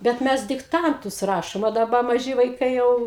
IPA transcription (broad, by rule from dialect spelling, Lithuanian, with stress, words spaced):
bʲɛt ˈmʲɛs dʲɪkˈtɐntʊs ˈrɑːʃoːm ɐ dɐˈbɐ mɐˈʒʲɪ ʋɐɪˈkɐɪ ˈjɛʊ